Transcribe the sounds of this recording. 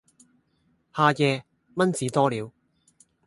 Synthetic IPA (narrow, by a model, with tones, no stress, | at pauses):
haː˨˧jɛː˧ | mɐ˥nt͡siː˨˧t̪ɔː˥liː˨˧w